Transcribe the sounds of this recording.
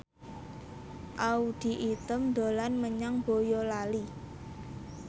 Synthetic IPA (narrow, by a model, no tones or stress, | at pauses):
ʔaud̪̥i̤ʔit̪əmd̪olanməɲaŋb̥ojɔlali